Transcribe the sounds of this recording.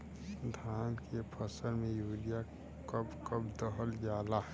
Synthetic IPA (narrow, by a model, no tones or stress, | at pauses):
d̪ʱaːnkʰepʰəsəɾmẽjuːlija | kəbkəbd̪əɦəld͡ʒaːla